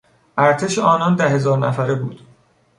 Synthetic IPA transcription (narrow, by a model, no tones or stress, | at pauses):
ʔæɾt̪ʰe̞ʃeɒːnɒnd̪æɦe̞zɒːɾnæ̰fæɾebuːd̪̥